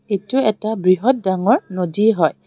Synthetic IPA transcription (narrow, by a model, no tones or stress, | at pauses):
etʊɛtabɹiɦɔt̚daŋɔɹnodiɦɔj